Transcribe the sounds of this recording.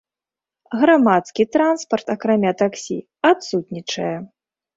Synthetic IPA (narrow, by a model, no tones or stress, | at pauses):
ɣɾamat̪skʲit̪ɾanspɐrt̪akɾamʲat̪aksʲḭ | at̪sut̪ʲnʲit͡ʂɐjɐ